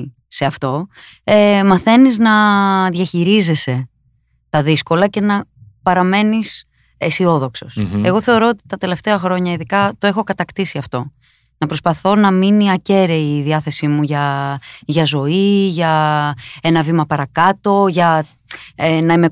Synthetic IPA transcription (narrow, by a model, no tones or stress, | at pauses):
se̞ɐft̪o̞ | emɐθe̞niznɐðʝɐçiɾize̞se̞ | t̪ɐðisko̞lɐce̞nɐpɐɾɐme̞nis | esio̞ðo̞kso̞se̞ɣo̞θe̞o̞ɾo̞ot̪i̥t̪ɐt̪e̞le̞ft̪eɐxɾo̞ɲɐiðikɐt̪o̞e̞xo̞kɐt̪ɐkt̪isiɐft̪o̞ | nɐpɾo̞spɐθo̞nɐminiɐce̞ɾeiðiɐθe̞simuʝɐʝɐzo̞iʝɐ | e̞nɐvimɐpɐɾɐkɐt̪o̞ʝɐ | enɐime